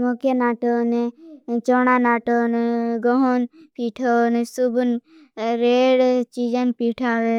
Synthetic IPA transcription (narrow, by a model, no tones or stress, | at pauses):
mokjenaːʈonet͡ʃɔːñanaːʈoneɡɔɦonpiʈʰonesubun | ɾeːɽt͡ʃiːd͡ʒanpiʈʰaʋe